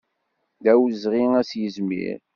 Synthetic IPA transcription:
d̪æwzʁiŋæsjəzmḭɾ

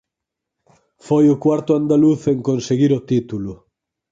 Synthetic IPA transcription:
fojʊkwaɾt̪ʊand̪aluθeŋkõnseɣiɾot̪it̪ulʊ

